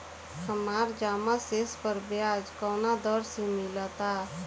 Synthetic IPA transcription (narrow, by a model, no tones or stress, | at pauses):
həmaːɾd͡ʒaːmaseːspəɾbjaːd͡ʒkɔːnad̪ɔːɾsẽmɪlət̪a